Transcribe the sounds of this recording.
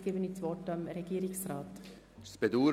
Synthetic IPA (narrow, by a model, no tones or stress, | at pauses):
ɡ̥eːbənit͡sʋɔtɑmɾɛɡ̥iːɾɪksraːt | spɛd̪uː